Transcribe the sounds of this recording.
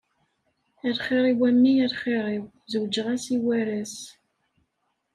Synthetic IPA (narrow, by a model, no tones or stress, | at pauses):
æɾχeɾˤiwæmːiæɾχeɾˤɪw | zəwd͡ʒəʁæsiwæɾæs